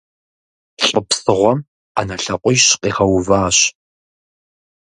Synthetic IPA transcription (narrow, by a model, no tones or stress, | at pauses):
ɬʼəpsɨʁʷɔm | a̰nɐɬɐqʷʼɔjɕqʼiːʁɐwvaːɕ